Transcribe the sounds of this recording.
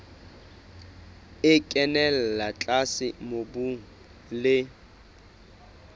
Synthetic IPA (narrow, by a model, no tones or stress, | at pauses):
ɪkʼɛnɛl̩lat͡ɬʼasɪmobuŋ̩ | lɪ